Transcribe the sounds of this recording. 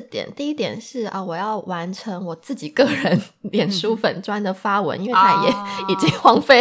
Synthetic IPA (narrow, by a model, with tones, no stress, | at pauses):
t̪jɛ̰˨˩˦nt̪i˥˩i˥t̪jɛ˨˩nʂɻ̩˥˩ɐ˧wɔ˨˩jɑ˥˩ʊwa˧˥nʈ͡ʂʰə˧˥ŋwɔ˨˩t͡sɹ̩˥˩t͡ɕi˨˩kɤ˥˩ɻə˧˦nljɛ˨˩nʂu˥fə˨˩nʈ͡ʂwa˥nd̪ə˨fa˥wə̰˧˥nʔi˥nwe˥˩˧a˥jɛ˨˩˦i˨˩t͡ɕi˥ŋxwɑ˥ŋfe˥˩